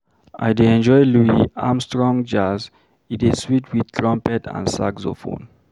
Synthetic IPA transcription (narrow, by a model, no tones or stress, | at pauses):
a̰jdeɛ̃nd͡ʒɔjluiãmstɹɔ̃ŋd͡ʒaz | itiswitʰwid̪̚tʰɹɔ̃mpɛtʰã̰nsa̰ɡzo̰fõ̰n